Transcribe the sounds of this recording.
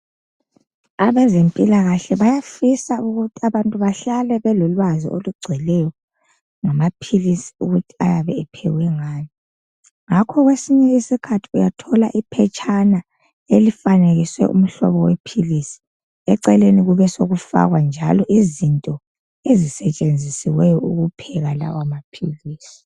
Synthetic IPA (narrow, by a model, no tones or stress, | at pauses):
aβɛzempʼilaɣaɬɛβajafisauɣutʰiaβantʼuβaɬalɛβɛlɔlwazḭʔo̰luɡ͡ǀʱilɛjɔ | ŋamapʰilisi̥uɣutʰi̥ajaβɛɛpʰɛ̰ɣwɛŋaːni | ŋakʰɔɣwesiɲɛisikʰatʰi̥ujatʰɔlaʔipʰɛt͡ʃʼʰana | elifaneɣiswɛ̰ʔṵm̩ɬɔ̰βɔwepʰilisi̥ | ɛǀɛleniɣuβɛsoɣufa̰ɣwand͡ʒʱalɔʔizintʼɔ | ezisɛt͡ʃʼend͡zʱisiwɛjɔuɣupʰɛɣala̰wamapʰiliːsi̥